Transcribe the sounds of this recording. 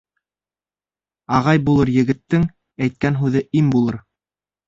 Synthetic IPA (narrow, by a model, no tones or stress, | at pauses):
ɑʁɑjbulˠɤɾjɘ̆ɡɘ̆t̪ːɘŋ | æjt̪̚kænɦʉðɘʔimbulˠɤɾ